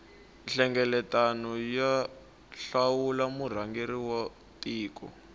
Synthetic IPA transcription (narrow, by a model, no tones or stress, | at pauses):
ɬɛŋɡɛlɛtanɔja | ɬawulamur̤aŋɡeɾiwɔ | tʼiːkɔ̰